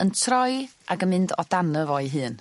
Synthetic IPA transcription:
əntʰrɔjʔaɡənmɪndɔd̥anəvɔɨɦɨːn

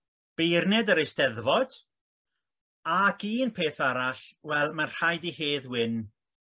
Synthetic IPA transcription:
b̥ejrnɛdəɾejstɛðvɔd̥ | aɡiːnpʰeːθaɾaɬwɛlˠmanr̥ajdiheːðwɪn

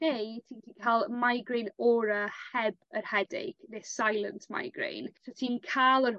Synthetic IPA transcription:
nejtʰiːntinkʰaːlˠmajɡɾejnɔːɾəhɛbərhɛdḛɡ̥nessajlˠəntʰma̰jɡrḛjnsotʰiːnkʰaːlˠə

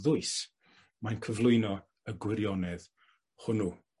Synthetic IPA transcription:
ðʊɨs | majnkʰəvlˠʊɨnɔ | əɡwɪɾjɔnɛð | hʊnu

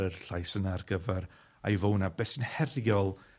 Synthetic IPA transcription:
ərɬajsənarɡəvɛɾ | a̰jvownabɛsɪnhɛrjɔlˠ

